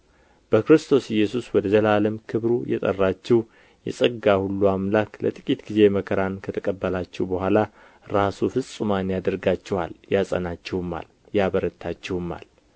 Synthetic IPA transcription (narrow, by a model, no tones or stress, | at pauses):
b̥əkɾɨst̪ʰo̞sɪjːɛsuswɔd̪əzʰəlaləmkʰɨβɾujɛ̰t̪ʼə̰rːat͡ʃːɛw | jɛ̰sʼəɡahulːuamlaklə̰t̪ʼɨkʼit̪ɡize̞məkʰəɾankʰət̪ʰəkʼəbːəlat͡ʃːɛwbəhʷala | ɾasufɨsʼɨmanjad̪əɾɡat͡ʃːɛha̰ljasʼə̰nat͡ʃːɛwɨmːa̰l | jaβəɾət̪ʰːat͡ʃːɛwɨmːa̰l